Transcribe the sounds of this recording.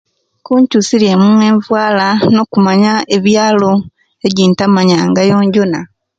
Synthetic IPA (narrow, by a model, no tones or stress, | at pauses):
kuːɲcusilje̞mumwe̞ːɱvwaːlano̞ːkumaɲaeβjaːlo̞ | e̞ɟiːntamaɲaŋɡajo̞ːɲɟo̞na